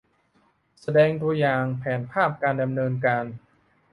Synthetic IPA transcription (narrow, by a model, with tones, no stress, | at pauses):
sa˧dɛː˧ŋt̪u˧jaː˨˩ŋpʰɛː˩˦npʰaː˥˩p̚kaː˧nda˧mnɤː˧nkaː˧n